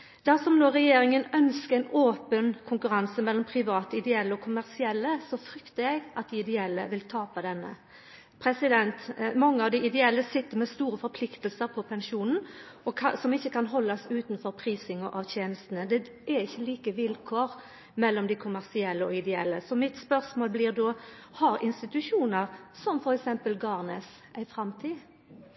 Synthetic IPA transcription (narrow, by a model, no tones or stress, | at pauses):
d̪̥æɾsɔmnoːɾɛjeːɾɪŋənœnskəɾæɪnoːpənkʰʊŋkʉɾɑnsəmɛlːɔmpʰɾɪʋɑːt̪əɪd̪ɛɛlːəɔkʰʊmæʁsɪɛlːəsɔfɾʏkt̪əɾɛɡʔɑt̪̚d̪ɪɪd̪ɛɛlːə̰ʋɪlt̪ʰɑːpɑd̪ɛnːə̰ | pʰɾɛsɪd̪ɛnt̪mɔŋːəɑʋd̪ɪɪd̪ɛɛlːəsɪt̪ːəɾmɛst̪uːɾəfɔɾpʰlɪkt̪əlsəɾpʰɔpʰɛnʂuːnn̩ | ɔkʰɑsɔmɪçːəkʰɑnɦɔlːɑsʉːt̪nfɔɾpʰɾiːsɪŋɔʔɑʋçeːnəst̪ənəd̪ɛ | ɛɾɪçːəliːkəʋɪlkʰoːɾ | mɛlːɔmd̪ɪkʰʊmæʁsɪɛlːəɔɪd̪ɛɛlːəsɔmɪt̪spœɾsmoːlblɪːʁd̪oːhɑɾɪnst̪ɪt̪ʉʂuːnəɾsɔmfɔɾɛksɛmpəlɡɑːʁneːs | æɪfɾɑmt̪ʰiː